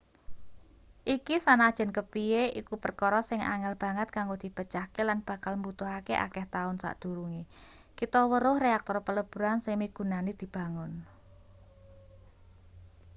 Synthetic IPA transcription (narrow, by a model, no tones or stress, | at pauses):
ʔikisanad̥ʒ̥ɛ̤nkəpieikupərkɔɾɔsɪŋa̰ŋɛlb̥ä̤ŋət̪̚kaŋɡod̪̥i̤pət͡ʃahkelanb̥a̤kalmbut̪ʊɦakeʔa̰kɛht̪aʊnsa̰ʔd̪̥ṳɾuŋe | kit̪ɔwəɾʊhreak̚t̪ɔrpələb̥ṳɾansɪŋmiɡ̥ṳnanid̪̥i̤b̥a̤ŋʊn